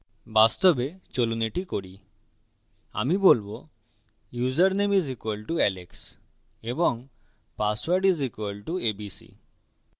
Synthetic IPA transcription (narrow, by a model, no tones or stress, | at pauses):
bast̪obet͡ɕoluneʈikoɽi | a̰mibolbo | juzaɾnemizikwalʈuɛleks | eboŋ | paswaɾɖizikwalʈuebisḭ